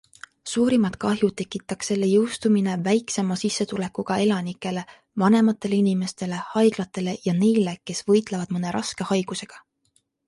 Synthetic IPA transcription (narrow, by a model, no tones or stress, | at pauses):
suːɾimɑt̪̚kɑɦjut̪e̞kːˑit̪ːˑɑkse̞lːe̞jɤwst̪umine̞væjkse̞mɑsisːe̞t̪ule̞kːuɡ̥ɑe̞lɑnikːˑe̞le̞ | vɑne̞mɑt̪ːˑe̞leinime̞st̪e̞le̞hɑjɡ̥lɑt̪ːˑe̞le̞jɑne̞jle̞ke̞svɤ̞jt̪ˑlevɑd̪mɤne̞ɾʔɑ̰ske̞hɑjɡ̥use̞ɡ̥ɑ̥